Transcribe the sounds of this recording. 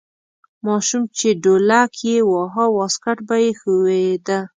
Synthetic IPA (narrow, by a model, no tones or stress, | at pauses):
mɑʃumt͡ʃeɖolakʰjewɑɦɑwɑskaʈbajexəwed̪a